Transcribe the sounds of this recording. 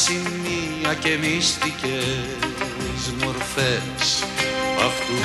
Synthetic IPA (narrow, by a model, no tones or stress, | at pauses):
simi | ɐcemist̪ice | zmoɾfe | s | ɐ̰ft̪u